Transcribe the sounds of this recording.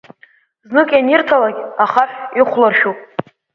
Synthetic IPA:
znɨkʼjanɪrtʰalaɡʲaχaħiχʷlarʃupʼ

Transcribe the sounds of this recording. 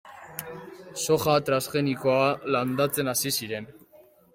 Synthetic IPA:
so̞xat̪ɾasʝe̞niko̞aland̪at͡se̞nasisiɾe̞n

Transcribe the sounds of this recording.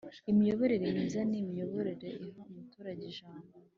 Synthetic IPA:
imijo̞βo̞ɾeɾemiːzanimijo̞βo̞ɾeɾe̞iɦaumutuːɾaɟeʒaːmbo

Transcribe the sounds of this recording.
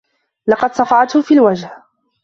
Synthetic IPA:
lɑqɑd̪sˤɑfɑʕt̪hʊfiːlwad͡ʒh

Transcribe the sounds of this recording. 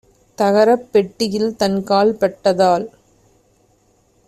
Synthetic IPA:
t̪ɐɣɐɾɐpːɛʈːɪjɪlt̪ɐnkaːlpɐʈːɐðaːl

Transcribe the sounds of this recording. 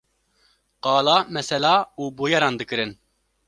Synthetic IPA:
qɑːlɑːmɛsɛlɑːuːboːjɛɾɑːnd̪ɨkɨɾɨn

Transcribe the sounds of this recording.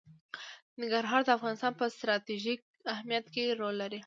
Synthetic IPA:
nɪŋɡaɾɦɑɾd̪əafɣɑnɪst̪ɑnpəst̪ɾɑt̪iʒik | ahmijat̪keɾolːaɾi

